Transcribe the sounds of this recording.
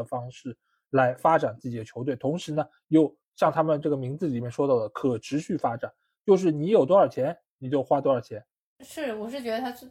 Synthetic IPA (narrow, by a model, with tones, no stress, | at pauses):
ə˩fɑ˥ŋʂɻ̩˥˩ | la˧˥ɪfa˥ʈ͡ʂa˨˩nt͡sɹ̩˥˩t͡ɕi˨˩d̪ə˩t͡ɕʰjo˧˥ʊt̪we˥˩ɪt̪ʰʊ˧˥ŋʂɻ̩˧˥nə˧ | jo˥˧ʊ | ɕjɑ˥˧ŋt̪ʰa˥mə˨nʈ͡ʂɤ˥˩ɡə˩mi˧˥ŋd͡zɹ̩˧li˨˩mjɛ˥˩nʂwɔ˥t̪ɑ˥˩ʊd̪ə˩kʰɤ˨˩ʈ͡ʂʰɻ̩˧˥ɕy˥˩fa˥ʈ͡ʂa˨˩˦n | t͡ɕjo˥˧ʊʂ̬ɻ̩˥˩ni˧˥jo˨˩ʊt̪wɔ˥ə˞˨˩t͡ɕʰjɛ˧˥n | ni˨˩t͡ɕjo˥˩ʊxwa˥t̪wɔ˥ə˞˨˩t͡ɕʰjɛ˧˥n | ʂɻ̩˥˩wɔ˨˩ʂɻ̩˥˩t͡ɕɥɛ˧˥d̪ə˧t̪ʰa˥ʈ͡ʂ